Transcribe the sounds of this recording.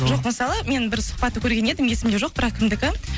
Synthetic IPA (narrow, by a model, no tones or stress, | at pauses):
ʒo̞qməsɑlˠəme̞nbɪɾsʊ̥χpɑt̪ːəkʲʰɵɾɡʲe̞ne̞d̪ɪmje̞sɪmd̪eʒo̞q̚b̥ɪɾɑqkʲʰɪmd̪ɪkʲɪ